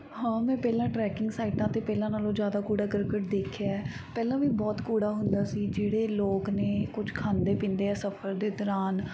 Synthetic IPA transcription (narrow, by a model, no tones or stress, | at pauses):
hãːmɛ̃ːpɛːlãːʈɾɛːkɪŋɡsaːiʈãːt̪eːpɛːlãːnaːlõːd͡ʒjaːd̪aːkuːɽaːkəɾkəʈ̚d̪eːkʰjaːɛː | pɛːlãːʋiːbɔːt̪kuːɽaːɦʊnd̪aːsiːd͡ʒeːɽeːloːkneːkʊd͡ʒkʰaːnd̪eːpĩːnd̪eːɛːsəpʰəɾd̪eːd̪ɔːɾaːn